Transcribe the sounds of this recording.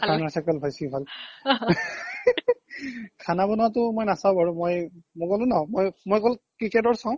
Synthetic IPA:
kanaɹsakɛlbʱɔjsibʱal | kʰanabɔnatʊmojnasaʊ̃aɹumojmɔkɔlʊ̃nɔmojmojkɔlkɹikɛtɔɹsaw̃

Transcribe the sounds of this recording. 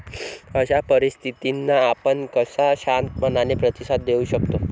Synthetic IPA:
əɕapəɾist̪ʰit̪inːaːpəɳkəsaɕant̪mənanepɾət̪isat̪̚d̪euɕəkt̪o

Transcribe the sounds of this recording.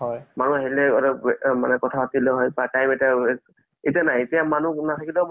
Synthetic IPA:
hɔjmanuaɦilɛɔɹɔmanɛkɔtʰapatilɛɦɔjpatajmeta | etianajetijamanunatʰakilɛm

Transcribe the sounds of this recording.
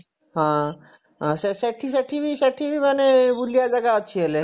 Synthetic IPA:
ɦã | ɦãseseʈʰis̬əʈʰibʱisɛʈʰibʱimənebulijad͡zəɡaət͡ɕʰiəle

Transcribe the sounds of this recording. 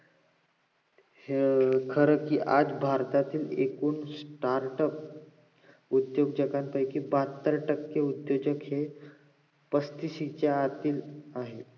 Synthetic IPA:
hkʰəɾəkiːʔad͡zbʱaɾt̪at̪iːlekuːnsʈaɾʈəp̚ | ud̪joɡd͡ʑəkanpəjkiːbat̪ːəɾʈəkːeud̪jod͡ʑəkhe | pəst̪isit͡ɕaat̪iːlaɦe

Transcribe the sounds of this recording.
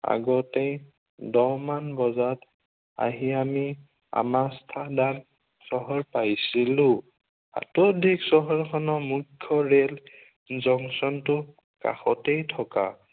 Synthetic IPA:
a̰ɡɔtej | dɔmanbɔzat | a̰ɦiami | a̰mastʰadal | sɔɦɔɹpajsilʊ | a̰todʱiksɔɦɔɹkʰɔnɔmukʰːɔɹel | zɔŋsɔntʊ | ka̰xɔtejtʰɔka̰

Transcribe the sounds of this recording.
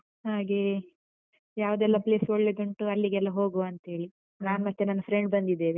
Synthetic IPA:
haːɡe | jaːʋud̪ɛlːɐple̞ːsoɭːeɡ̪ɐɳʈuɐlːiɡɛlːɐɦo̞ːɡuɐnt̪ɦe̞ːɭi | naːnmɐt̪ːenɐnːɐfʰɾeɳɖbɐnd̪id̪ːeːʋe

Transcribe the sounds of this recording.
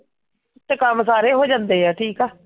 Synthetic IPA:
t̪kamsaːɾeːɦoːd͡ʒãːnd̪eːɛːʈʰiːkaː

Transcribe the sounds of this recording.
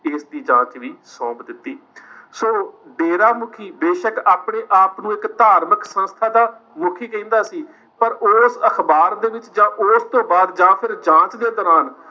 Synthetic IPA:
ɪsd̪iːd͡ʒãːt͡ʃʋiːsɔ̃ːbd̪ɪt̪ːiː | soːɖeːɾaːmʊkʰiːbeːʃəkaːpɳeːʔaːpnũːɪkt̪aːɾməksə̃nst̪ʰaːd̪aː | mʊkʰiːkəĩːnd̪aːsiː | pəɾoːsəkʰbaːɾd̪eːʋɪt͡ʃd͡ʒãːʔoːst̪õːbaːd̪d͡ʒãːpʰɪɾd͡ʒãːt͡ʃd̪eːd̪ɔːɾaːn

